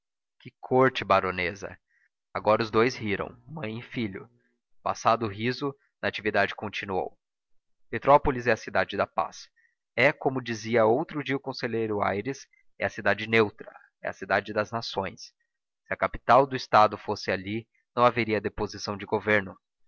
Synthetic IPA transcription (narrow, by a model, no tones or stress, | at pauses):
kɪkʰoɾt͡ʃɪbaɾõnezɐ̰ | aɡɔɾɐʊzd̪ojzhiɾɐ̰̃w̃mɐ̃j̃ɪfiʎʊ̰ | pa̰sad̪ʊʊɦizʊ | nɐat͡ʃivid̪ad͡ʒɪkõnt͡ʃinuo̰w | pet̪ɾɔpolizɛɐsid̪ad͡ʒɪd̪ɐpa̰s | ɛkõmʊd͡ʒiziɐowt̪ɾʊd͡ʒiɐʊkõseʎejɾʊa̰jɾɪs | ɛɐsid̪ad͡ʒɪnewt̪ɾɐ̰ | ɛ̰ɐ̰sid̪ad͡ʒɪd̪ɐznasõj̃s | sɪɐkapi̥t̪awd̪ʊɪst̪ad̪ʊfosɪali | nɐ̃w̃aveɾiɐd̪epozisɐ̃w̃d͡ʒɪɡoveɾnʊ